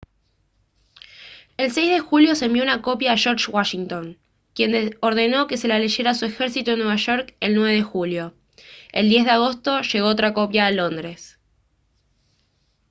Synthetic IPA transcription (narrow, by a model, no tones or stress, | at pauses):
e̞lsejzðe̞xuljo̞sembjounako̞pjaːʃoɾʃwaʃiŋt̪o̞ŋ | kje̞nd̪eoɾð̞e̞no̞ke̞se̞laleʃeɾasue̞xeɾsit̪uenweβaʃo̞ɾke̞lnwe̞βeðe̞xuljo̞ | ḛld̪je̞zðeaɣ̞o̞st̪o̞ʃe̞ɣo̞ot̪ɾako̞pjaːlo̞nd̪ɾe̞s